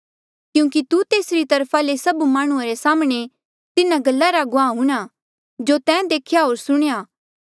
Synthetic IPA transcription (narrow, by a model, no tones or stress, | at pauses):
kjũːkit̪ut̪eːsɾit̪ɐɾpʰalesɐbumaːɽ̃ʊ̃ãɾesaːmɽ̃e | t̪ɪnaɡɐlːaɾaɡʊãːɦũːɽ̃a | d͡ʒot̪ɛ̃ːd̪eːkʰjaɦoːɾsʊɽ̃jaː